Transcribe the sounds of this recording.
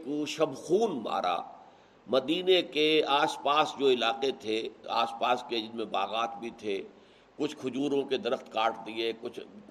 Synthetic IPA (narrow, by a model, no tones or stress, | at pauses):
koʃɐbxuːnma̰ːɾʔa̰ː | mɐd̪iːnekeaːspaːsd͡ʒoːɪlaːqet̪ʰea̰ːspaːsked͡ʒɪmẽbaːɣaːt̪bʱit̪ʰe | kʊt͡ʃʰkʰʊd͡ʒuːɾõked̪ɐɾəxt̪kaːʈd̪iekʊt͡ʃʰ